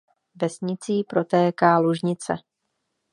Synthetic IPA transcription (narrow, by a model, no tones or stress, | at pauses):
vɛsɲɪt͡siːpɾo̞t̪ɛːkaːluʒɲɪt͡sɛ̰